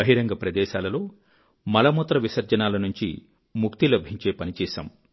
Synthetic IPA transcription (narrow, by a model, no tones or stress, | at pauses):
ɐɦiɾɐŋɡɐpɾɐd̪ɛːʃaːlɐlo̞ː | mɐlɐmot̪ɾɐʋisɐɾd͡ʒɐnaːlɐnuɲt͡ʃḭ | mukt̪ilɐbʱiɲt͡ʃe̞ːpɐnit͡ʃɛːʃɐ̰m